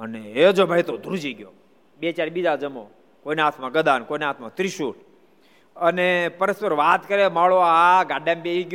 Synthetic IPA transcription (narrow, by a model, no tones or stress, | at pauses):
əneed͡ʒobʱajt̪od̪ʱuɾd͡ʒiɡjo | bet͡ʃaɾbid͡ʒad͡ʒəmõ | koinat̪ʰmãɡəd̪ankoinat̪ʰmãt̪ɾiʃuʈ | ənepəɾəspəɾʋat̪kəɾemaɭoaɡaɖembeiɡjo